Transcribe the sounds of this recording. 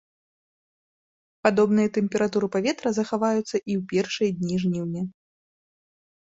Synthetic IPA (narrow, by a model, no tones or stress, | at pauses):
pad̪ɔbnɨjɐt̪ɛmʲpʲɛɾat̪uɾɨpavʲɛt̪ɾɐzɐxavajut̪sːɐʔiwpʲɛrʂɨjɐd̪ʲnʲiʐnʲiwnʲɛ